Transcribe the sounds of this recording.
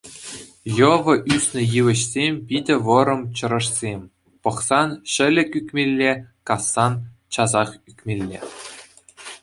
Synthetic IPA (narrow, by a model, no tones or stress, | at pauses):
jɤ̆ʋɤ̆ʔysʲnʲɘ̆jɯʋɘ̆ɕsʲemʲpʲidʲɘ̆ʋɤ̆ɾɤ̆mt͡ɕɤ̆ɾɤ̆ʂsʲemʲ | pɤ̆χsɑnɕɘ̆lʲɘ̆kʲykʲmʲelʲːekɑsːɑnt͡ɕɑzɑχykʲmʲelʲːḛ